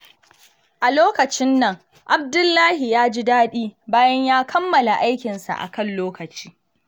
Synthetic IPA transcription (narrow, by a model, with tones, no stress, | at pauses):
ʔa˨loː˦kɐ˨t͡ʃɪ˦nːɐ˨ŋ | ʔa˨b̚dʊ˦lːaː˦hi˨jaː˦d͡ʒi˦daː˦ɗiː˦baː˦jɐ˦ɲjaː˦kʰɐ˦mːɐ˨la˨ʔa˦jkʲɪ˨nsa̰˨ʔa̰˨kɐ˦˨nloː˦kɐ˨t͡ʃi̥ː˦